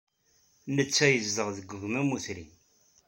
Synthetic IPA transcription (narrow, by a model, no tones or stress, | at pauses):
nət͡sːæjəzːəʁðəɡʷːəɣmæmuθɾḭn